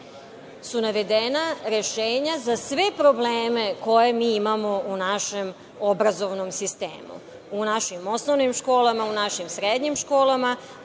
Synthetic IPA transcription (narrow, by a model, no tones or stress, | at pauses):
sunaʋe̞d̪enaɾe̞ʃeːɲazasʋe̞pɾo̞bleːme̞ko̞je̞miːimamo̞unaʃem | obɾazoʋnomsist̪ḛːmṵ | unaʃimo̞snoʋnimʃko̞ːlˠamaunaʃimsɾed̪ɲimʃko̞ːlˠama